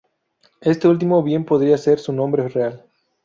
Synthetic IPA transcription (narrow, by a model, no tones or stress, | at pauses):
e̞st̪e̞ult̪̬imo̞βje̞mpo̞ðɾiase̞ɾsunõmbɾereal